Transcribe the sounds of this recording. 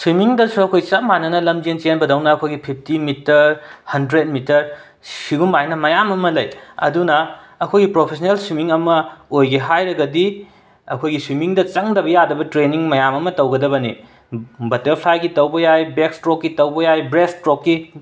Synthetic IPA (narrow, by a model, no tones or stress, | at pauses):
swimiŋdɐsuɐkʰojt͡ʃɐmajnɐnɐlɐmd͡ʒent͡ʃenbɐdɐwnɐːkʰojɡipʰip̚ʰtimitɐɾhɐndɾet̚mitɐɾ | siɡumbajnɐmɐjamɐmɐlɐjɐ̰dunɐ | ɐkʰojɡipɾopʰes̬nelswimiŋɐmɐojɡiɦajɾɐɡɐdi | ɐ̰kʰojɡiswimiŋdɐt͡ʃɐŋdɐbɐjadɐbɐtɾeniŋmɐjamɐmɐtɐwɡɐdɐβɐni | bɐtelpʰajɡitɐwbɐjajbekstɾokːitɐwbɐjajbɾestɾokːi